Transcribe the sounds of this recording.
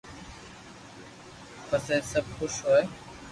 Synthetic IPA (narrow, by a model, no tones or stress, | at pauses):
pəseːsəb̚xʊʃɦoːe